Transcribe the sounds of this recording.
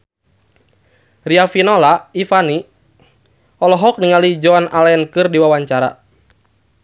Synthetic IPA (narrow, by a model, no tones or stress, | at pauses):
riafinɔlaifani | ɔlɔɦɔk̚niŋalid͡ʒɔanalaɛnkɨrdiwawaɲt͡ʃaɾa̰